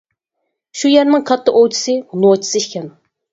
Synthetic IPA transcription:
ʃujɛɾnɪŋkʰɑt̪ʰːɑʔowt͡ʃʰi̥sɨlˠot͡ʃʰi̥sɨʃkʲɛn

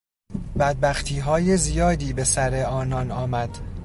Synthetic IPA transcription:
bæd̪̚bæxt̪ʰiːɦɒːjezijɒːd̪iːbe̞sæɾe̞ɒːnɒːnɒːmæd̪̥

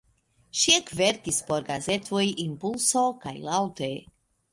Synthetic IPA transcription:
ʃiekveɾkispo̞ɾɡaze̞t̪ʰojimpulso̞ka̰jlawte

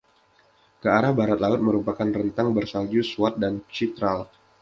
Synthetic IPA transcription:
kəaɾahbaɾat̪laʊt̪̚məɾupakanrənt̪aŋbərsald͡ʒusuat̪̚dant͡ʃit̪ɾal

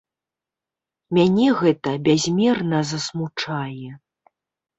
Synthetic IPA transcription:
mʲanʲɛɣɛt̪ɐbʲazʲmʲɛrnɐzɐsmut͡ʂajɛ

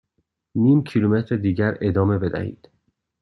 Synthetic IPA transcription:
niːmcʰilumet̪ʰɾed̪iːɟæɾe̞d̪ɒːme̞be̞d̪æ̰hḭːd̪̥

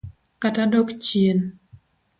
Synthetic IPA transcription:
katadɔkt͡ʃiən

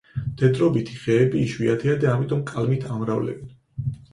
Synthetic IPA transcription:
d̪̥ʰɛd̪ɾɔbit̪ʰi̥ʁɛːbiːʃwiat̪ʰɛad̪aːmit̪ʼɔmkʼalmit̪ʰamɾavlɛ̰bɛn

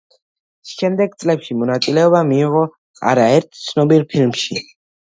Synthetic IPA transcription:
ʃɛmd̪ɛɡ̚t̪sʼlɛpʃimɔnat̪sʼilɛɔbamiːʁɔ | a̰ɾaɛɾt̪ʰt̪sʰnɔbiɾpʰilmʃi

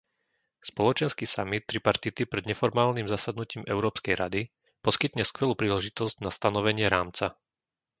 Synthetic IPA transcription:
spɔlɔt͡ʃɛnskisamit̪ːɾipaɾt̪it̪ipɾɛd̪ɲɛfɔɾmaːlnimzasad̪nuciːmɛʊɾɔːpskɛjɾad̪i | pɔskit̪ɲɛskʋɛluːpɾiːlɛʒit̪ɔzɟnast̪anɔʋɛɲɪɛɾaːmt͡sa

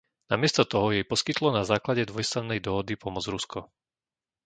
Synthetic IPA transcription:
namɪɛst̪ɔt̪ɔɦɔjɛjpɔskit̪lɔnazaːklaɟɛd̪ʋɔjst̪ɾannɛjd̪ɔɦɔd̪ipɔmɔd͡zɾuskɔ

